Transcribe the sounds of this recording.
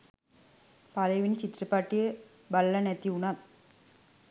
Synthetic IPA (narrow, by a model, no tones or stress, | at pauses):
pɐlɐjʋint͡ɕit̪ːɾɐpːaːʈːije | bɐlːɐnet̪ːiuɳat̪